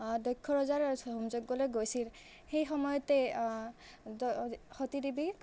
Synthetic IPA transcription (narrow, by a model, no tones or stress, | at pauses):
dɔjkʰːɔɹɔzaɹɦumzoɡɡɔlojɡojsil | xejxɔmɔjɔte | dxotidibi